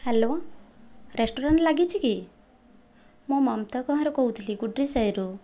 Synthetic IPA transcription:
helo | ɾesʈoɾaɳʈlaɡit͡ʃʰiki | momʌmt̪ʌkɔ̃ɦɔ̃ɾɔkɔut̪ʰliɡuɖɾisajɾu

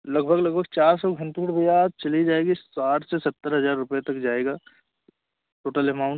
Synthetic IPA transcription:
lɐɡbʱəɡlɐɡbʱəɡ̚t͡ʃaːɾsɔɡʱɐ̃ɳʈekʈbɐjaːd̪̚t͡ʃɐlid͡ʒaːeːɡisaːʈsesɐt̪ːəɾɦɐzaːɾːʊpjet̪ɐkd͡ʒaːeːɡaː | ʈoːʈəlɛmãʊ̃ɳ

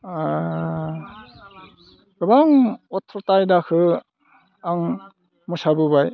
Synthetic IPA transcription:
a | ɡɯbaŋɔt̪ʰːɾɔtajdakʰɯ | aŋ | musabɯbaj

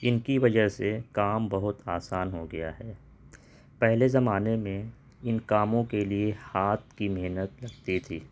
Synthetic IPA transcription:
ɪnkiʋɐd͡ʒəɦsekaːmbɐɦʊt̪aːsaːnɦoɡɐja̰ɦɛː | pɛɦlezɐmaːnemẽ | ɪnkaːmõkeliehaːt̪̚ʰkimeɦnət̪lɐɡt̪it̪ʰiː

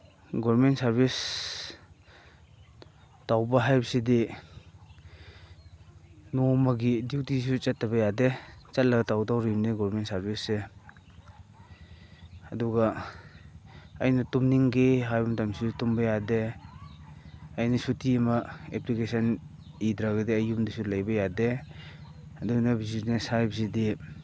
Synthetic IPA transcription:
ɡɔɾmentsaɾbʱis | tawbɐɦajbɐsidi | nomɐɡidiwtis̬ut͡ʃatːɐbɐjadet͡ʃat̚lɐɡɐtawtawɾimniɡɔɾmentsaɾbise | ɐduɡa | ɐjnɐtumniŋɡeɦajbɐmtamsitumbɐjade | ɐjnɐsutimɐeplikesan | idɾaɡɐdiajumdisulajbɐjade | ɐdunɐbizitnesajbsidi

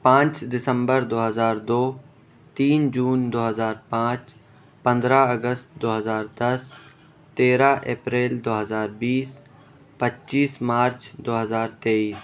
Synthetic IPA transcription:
pãːt͡ʃd̪ɪsə̃mbəɾd̪oːɦəzaːɾd̪oː | t̪iːnd͡ʒuːnd̪oːɦəzaːɾpãːt͡ʃ | pɐ̃nd̪ɾaəɡəst̪d̪oːɦəzaːɾd̪ɐs | t̪eːɾaʔeːpɾeːld̪oːɦəzaːɾbiːs | pətːʃiːsmaːɾt͡ʃd̪oːɦəzaːɾt̪eːiːs

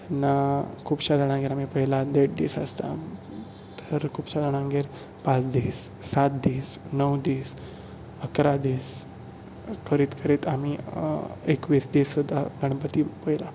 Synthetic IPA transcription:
nakʰupɕad̪əɽ̃ãŋɡeɾamipəɦilad̪eʈ̚d̪iːsəst̪a̰ | t̪əɾkʰupɕad̪əɽ̃ãŋɡeɾ | pãt͡sd̪isːat̪̚d̪isnəwd̪iːs | əkɾad̪is | kʰəɾiːt̪kʰəɾit̪ami | ekʋisd̪isud̪ʱːaɡʱəɳ̃pət̪ipəɦila

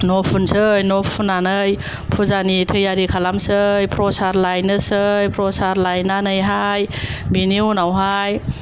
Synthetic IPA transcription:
nɔpʰunsɯjnɔpʰunanɯj | pʰuzanitʰɯjaɾikʰalamsɯjpʰɾɔsaɾlajnɯsɯjpɾɔsaɾlajnanɯjɦajbininawɦaj

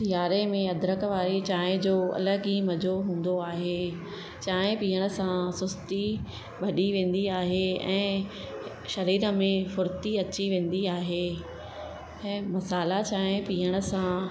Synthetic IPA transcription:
t̪ɪjaːɾemẽɐd̪ɾəkʋaːɾit͡ɕaːɦɪ̃d͡ʑoːɐ̰ləɡɦimɐd͡ʑʱoɦũːn̆d̪oaːɦeː | t͡ɕaːɦɪ̃piːəɽ̃ə̆sãsʊst̪i | bʱɐɗiʋẽːn̆d̪iaːɦeɛ̰̃ː | ʃɐɾiːɾə̆mẽfʊɾt̪iɐt͡ɕiʋẽːn̆d̪iaːɦeː | ɛ̃ːmɐsaːlat͡ɕaːɦẽpiːəɽ̃ə̆sã

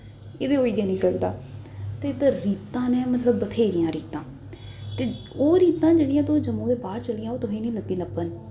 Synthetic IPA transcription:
ɪd̪eːoːiːɡɛːnĩːsəkd̪aː | t̪eːt̪aɾiːt̪ãːnẽːmət̪ləbːət̪ʰeːɾɪjãːɾiːt̪ãː | t̪eː | oːɾiːt̪ãːd͡ʒeːɽijãːt̪ʊ̃ːd͡ʒəmũːd̪eːbaːɾt͡ʃəlɪjãːoːt̪ʊɦẽːnĩːləɡːiːləpːən

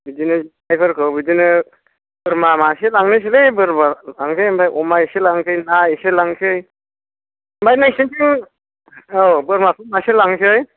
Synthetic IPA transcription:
bidinɯ | ajpʰɯɾkʰɯbidinɯ | bɯɾmamaselaŋnɯs̬elɯjbɯɾbaaŋkʰɯjmbajʔɔmaeselaŋkʰɯjnaeselaŋkʰɯj | mbajnajsinsʰiŋ | obɯɾmakʰɯmaselaŋsɯj

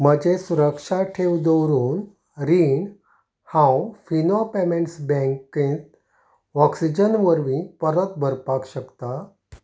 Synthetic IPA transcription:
məd͡ʑesuɾəkʂaʈʰewd̪ɔɾuːn | ɾin | hãwfinopemeɳʈsbɛ̃ŋkkĩt̪ | ɔksid͡ʑənʋəɾʋĩpəɾət̪̚bʱəɾpakɕəkt̪a

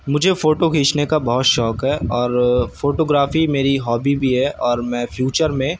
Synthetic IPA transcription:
mʊd͡ʒʱefoːʈokiːt͡ʃnekabɐɦʊt̪ʃɔːkɦɛːɔːɾfoːʈoːɡɾaːfimeːɾiɦɔːbibʱiɦɛʔɔːɾmɛ̃ːfjuːt͡ʃəɾmẽ

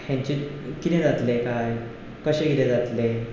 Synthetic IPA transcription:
hjãɲt͡ɕikit̪ẽd͡zat̪lekaj | kəɕẽɡit̪ẽd͡zat̪le

